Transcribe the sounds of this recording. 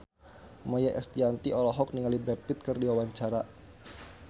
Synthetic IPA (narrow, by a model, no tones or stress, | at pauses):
majaʔɛst̪iant̪iʔɔlɔɦɔk̚niŋalibɛpɪt̪̚kɨrdiwawaɲt͡ʃaɾa